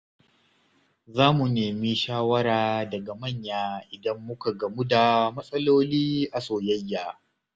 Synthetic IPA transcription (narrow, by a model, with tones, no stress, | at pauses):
zaː˦mu˨neː˨mi˦ʃaː˦wɐ˦ɾaː˨dɐ˨ɡa˨mɐ˦˨ɲjaː˦ʔɪ˨dɐ˦mːʊ˦ka˨ɡɐ˨mu˦da˨mɐ˦sʼɐ˦loː˦liː˦ʔa˨soː˨jɐ˦jːaː˨